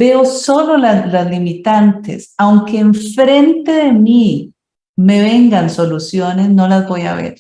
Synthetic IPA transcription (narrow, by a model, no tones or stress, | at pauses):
b̥e̞oso̞lo̞lalazlimit̪ant̪ḛsawŋke̞ːɱfɾe̞nt̪e̞ðe̞mi | me̞β̞e̞ŋɡanso̞lusjo̞ne̞sno̞lazbo̞ja̰βe̞̰ɾ